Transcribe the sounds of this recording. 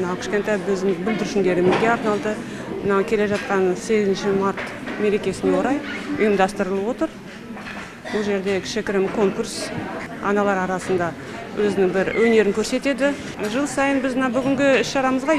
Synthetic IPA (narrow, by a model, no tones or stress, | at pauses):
nɑwkʲʰɪ̥ʃkʲe̞nt̪ɑjbɵzd̪ɪŋbʏld̪ɪɾʃɪnd̪e̞ɾɪmɪzɡʲe̞ɑɾnɑlˠd̪ə | mənɑkʲʰe̞le̞ʒɑt̪̚qɑnse̞ɡʲɪzɪnʃɪmɑɾt̪me̞ɾe̞kʲe̞sɪnewo̞ɾɑjʊjəmd̪ɑst̪əɾəlˠəpwo̞t̪əɾ | bʊlˠʒe̞ɾd̪e̞kʰʲɪ̥ʃɪkʲɪɾɪmkʰo̞ŋkuɾsɑ̰nɑlˠɑɾɑɾɑsənd̪ɑ | wʔɵzɪnɪŋbɪɾwʔɵne̞ɾɪŋkʲʰɵɾse̞t̪e̞d̪ɪ | ʒəlˠsɑjənbɪzmənabʏɡʲɪŋɡʲɪɪsʃɑɾɑməzʁɑ